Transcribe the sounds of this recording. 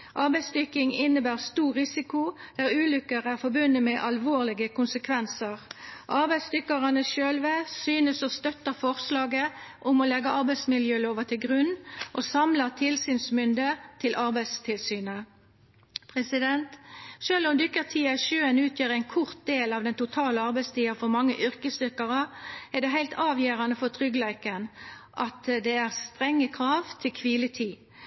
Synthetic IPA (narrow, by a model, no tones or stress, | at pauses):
ʔɑʁbæɪsd̪ʏkɪŋɪnːəbæːʁst̪uːʁːɪsɪkʊd̪̥æːʁʉːlʏkːəʁæːʁfɔbʉnːəmɛʔɑlʋoːʁlɪɡəkʰʊnsəkʰʋɛnsəʁʔɑʁbæɪsd̪ʏkɑʁɑnəʃøːlʋəsyːnəsɔst̪œt̪ːəfɔʁslɑːɡəʔʊmɔlɛɡəʔɑʁbæɪsmɪljøːloːʋət̪ɪlɡʁʉnːʔosɑmlət̪ʰɪlsyːnsmʏnd̪ət̪ʰɪlʔɑɾbæɪd̪st̪ʰɪlsyːnə | pʰʁɛsɪd̪ɛnt̪ʃøːlʊmd̪ʏkːəʁt̪ʰiːɑʃøːənʉːt̪ʰjøːʁæɪnkʰʊʁt̪̚d̪eːlɑʋd̪ɛnt̪ʊt̪ʰɑːləɑʁbæɪst̪iːɑfɔmɑŋːəʔʏɾkəst̪ʏʁkɑʁəæʁd̪ɛɦæɪlt̪ʰɑːʋjeːʁɑnəfɔt̪ʰʁʏɡlæɪkənʔɑt̪d̪ɛæʁst̪ʁɛŋːəkʰʁɑːʋt̪ʰɪlkʰʋiːlət̪ʰiː